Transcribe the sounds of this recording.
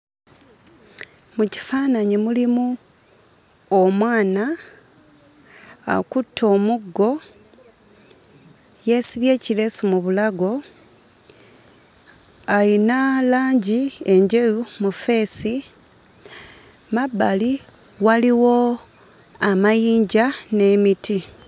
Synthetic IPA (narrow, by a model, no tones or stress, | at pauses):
muci̥faːnaɲimulimu | omwaːna | kutʰːo̞ːmuɡːo̞ | je̞siβje̞ːcile̞sumuβulaɡo̞ | ajinalaːɲɟieɲɟe̞lumufe̞ːsi | mabːali | waliwo̞ | amajiːɲɟane̞miti